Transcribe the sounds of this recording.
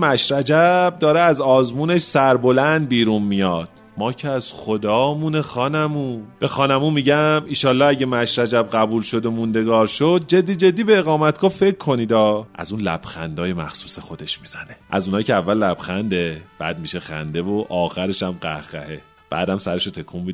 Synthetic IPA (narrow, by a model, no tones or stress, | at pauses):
mæʃɾæd͡ʒæb̚d̪ɒːɾeæzɒːzmuːne̞ʃsæɾbo̞lænd̪̚biːɾuːnmijɒːd̪̥̚ | mɒːcʰeæz̥xod̪ɒːmunexɒːnæmũːb̥e̞xɒːnæmuːmiɟæmiːʃɒːlːɒːæɟe̞mæʃɾæd͡ʒæb̚ɢæbuːlʃo̞d̪omund̪e̞ɡɒːɾʃod̪̚d͡ʒe̞d̪ːiːd͡ʒe̞d̪ːiːbeeɣɒːmæt̪ɡ̥ɒːfe̞cʰːo̞niːd̪ɒːʔæ̰zuːnlæ̰b̥xænd̪ɒːje̞mæxsu̥ːsexo̞d̪e̞ʃmiːz̥æne̞ʔæ̰zunɒːcʰeævːælːæb̥xænd̪eb̥æ̰ːd̪̚miʃe̞xæ̰nd̪e̞voʔɒːxæɾe̞ʃæmɢæ̰hɣæ̰he | b̥æ̰ːd̪æmsæɾe̞ʃot̪ʰe̞kʰumːid̪